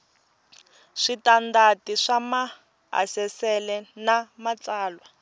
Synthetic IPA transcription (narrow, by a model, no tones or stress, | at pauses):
ʂitandatiʂama | a̰sɛsɛlɛnamat͡saːlwa